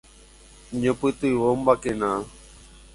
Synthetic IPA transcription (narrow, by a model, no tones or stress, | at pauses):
ɲõpɨt̪ɨiʋombakẽnã